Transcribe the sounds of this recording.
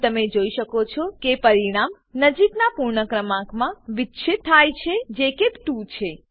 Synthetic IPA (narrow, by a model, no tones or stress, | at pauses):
t̪əmed͡ʒoiʃəkot͡ʃʰɔkepəɾiɽ̃am | nəd͡ʒiknapuɾɳəkɾəmãkmãʋɪtːʃʰit̪ʰːajt͡ʃʰed͡ʒekebʈut͡ʃʰe